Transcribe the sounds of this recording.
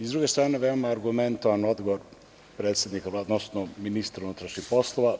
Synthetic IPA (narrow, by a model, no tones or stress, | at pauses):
izd̪ɾuɡe̞st̪ɾaːneʋeomaːɾɡument̪oʋanod̪ɡoʋoɾ | pɾe̞ːt̪sje̞d̪nikalad̪nosnominist̪ɾaunut̪ɾaʃnixpo̞slˠoʋa